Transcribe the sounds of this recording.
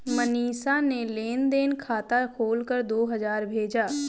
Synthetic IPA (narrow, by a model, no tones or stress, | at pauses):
məniːsaneleːnd̪eːnkʰaːt̪akʰoːlkəɾd̪oːɦɐzaːɾbʱeːd͡ʒaː